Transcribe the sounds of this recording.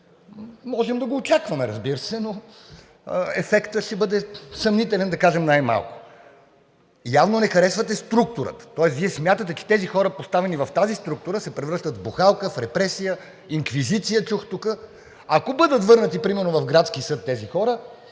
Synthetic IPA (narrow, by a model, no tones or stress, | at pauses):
mɔʒɛmd̪ɐɡoːt͡ʃakvɐmɛɾɐzbiɾəsɛno | əɛfɛkt̪əʃɛbɤd̪ɛsɐmnit̪ɛlɛnd̪ɐkaʒɛmnajma̰lˠko̥ | javnonɛxɐɾɛsvɐt̪ɛst̪ɾuk̚t̪ʊɾə̰t̪t̪ɔɛsviɛsmʲjat̪ət̪ɛt͡ʃɛ̥t̪ɛzixɔɾəpost̪avɛnivɐft̪azist̪ɾuk̚t̪ʊɾəsɛpɾɛvɾɤʃt̪ət̪vbuxalˠkəfɾɛpɾɛsijə | iŋkvizit̪sijət͡ʃuxt̪ukə | akobɤd̪ət̪vɤɾnət̪ipɾimɛɾnovɐvfɡɾat̪skisɤt̪ːɛzixɔɾə